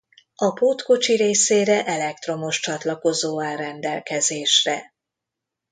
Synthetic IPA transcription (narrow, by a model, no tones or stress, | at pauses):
ɒpoːt̪ko̞t͡ʃiɾeːseːɾɛʔɛlɛk̚t̪ro̞mo̞ʃt͡ʃɒt̪lɒko̞zoːalrɛnd̪ɛlkɛzeːʃrɛ